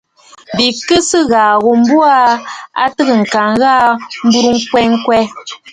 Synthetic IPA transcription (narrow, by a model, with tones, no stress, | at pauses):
bi˨kɨ˦sɨ˦ɣaː˨ɣo˨m̩˦bu˦a˦a̰˦tɨ˦ɣə˨ŋ̩˨ka˨ŋɣaː˦m̩˦bu˦ɾu˦ŋ̩˦kwɛ˦ŋ̩˦kwɛ˦